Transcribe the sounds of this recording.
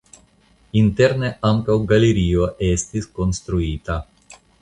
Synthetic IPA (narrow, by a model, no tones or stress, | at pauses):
int̪ɛɾneʔamkawɡaleɾiːoʔest̪iskonst̪ɾuiːt̪a